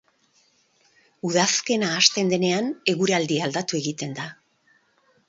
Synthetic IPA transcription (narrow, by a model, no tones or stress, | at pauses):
uðaske̞naːst̪e̞nd̪e̞ne̞ane̞ɣuɾeald̪iald̪at̪ue̞ɣit̪e̞nd̪a